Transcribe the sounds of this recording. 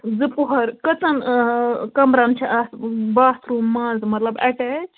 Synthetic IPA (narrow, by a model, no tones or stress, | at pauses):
zɨpuɦɐɾkɐt͡sɐn | kɐmɾɐnt͡ʃʰiʔasbaːst̪ɾũːmːãːzmɐt̪lɐbɐ̰kɛ